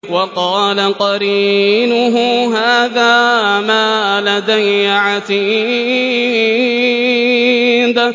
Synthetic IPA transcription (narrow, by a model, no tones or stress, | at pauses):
wɑqɑːlaqɑɾiːnʊɦʊɦaːðaːmaːlad̪ajːʕat̪i | d̪a